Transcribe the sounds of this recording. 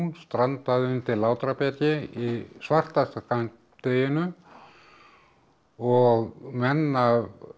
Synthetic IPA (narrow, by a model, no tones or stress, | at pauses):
nst̪ɾant̪aðʏnt̪ʰɪlːaːwt̪ɾapjɛt̪ɪisvar̥t̪ast̪akan | t̪eːjɪnʏ | ɔɣmɛnːav